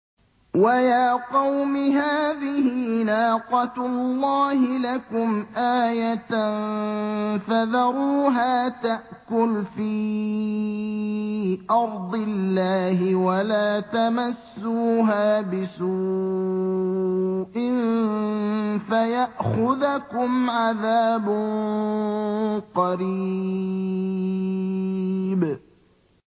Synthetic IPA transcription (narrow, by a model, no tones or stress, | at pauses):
wajaːqɑwmɪɦaːðɪhiːnaːqɑt̪lːɑːhɪlakʊmʔaːjat̪n | faðɑɾˤuːɦaːt̪aʔkʊlfiː | ʔɑɾˤd̪ˤɪlːaːɦɪwalaːt̪amasːuːɦaːbɪsuː | ʔɪn | fajaʔxʊðakʊmʕaðaːbʊ | qɑɾi | b